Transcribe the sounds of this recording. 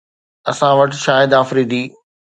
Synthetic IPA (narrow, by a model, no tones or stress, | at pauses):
ɐsãʋɐʈʃaːɦɪd̪aːfɾiːd̪iː